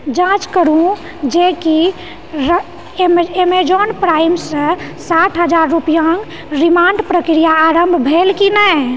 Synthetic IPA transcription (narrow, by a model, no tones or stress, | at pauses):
d͡ʒãt͡ʃkəɾũ | d͡ʒeki | ɾ | memed͡ʒɔnpɾajmsə̃saʈʰɦəd͡ʒaɾːupijaŋɡ | ɾimaɳɖpɾəkɾijaːɾəmbʱbʱelkinɛ